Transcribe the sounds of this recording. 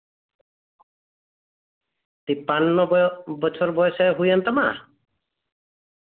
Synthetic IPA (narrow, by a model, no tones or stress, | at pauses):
t̪ipanːɔbɔt͡ʃʰɔɾbɔjɔsaɦujant̪ama